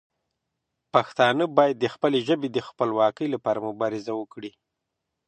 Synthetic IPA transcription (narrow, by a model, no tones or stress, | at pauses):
paxt̪ɑnəbɑjad̪ːəxpəleʒəbed̪əxpəlwɑkəjlapɑɾamʊbɑɾɪzawəkɽi